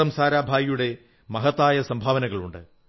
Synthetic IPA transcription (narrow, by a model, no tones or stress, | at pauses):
ɐmsaːɾaːbʱaːjijuɽe̞ | mɐɦɐt̪ːaːjɐsɐmbʱaːʋɐnɐɣɐɭuɳɖɨ̰